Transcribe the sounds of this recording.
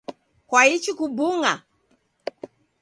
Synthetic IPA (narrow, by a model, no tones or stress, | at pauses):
kwait͡ʃikubuŋa